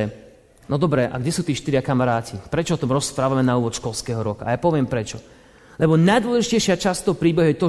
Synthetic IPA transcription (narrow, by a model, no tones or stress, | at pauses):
nɔd̪ɔbɾɛʔa̰ɡɟɛsuːt̪iːʃt̪iɾɪakamaɾaːcipɾɛt͡ʃɔɔt̪ɔmɾɔspɾaːʋamɛnauːʋɔt̪ʃkɔlskɛɦɔɾɔkaːjapɔʋɪɛmpɾɛt͡ʃɔ | lɛbɔnajd̪ʊɔlɛʒicɛjʃɪat͡ʃast̪ːɔɦpɾiːbɛɦuʊjɛt̪ɔ